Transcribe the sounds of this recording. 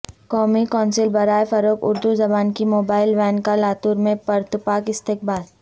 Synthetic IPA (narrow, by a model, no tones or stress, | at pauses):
kɔːmikɔːnsɪlbɐɾaːefɐɾoːkʊ̰ɾd̪uzɐbaːnkimoːbaːɪlʋɛːnkalaːt̪uːɾmẽpɐɾt̪ʊpaːkɪst̪eːk̚baːl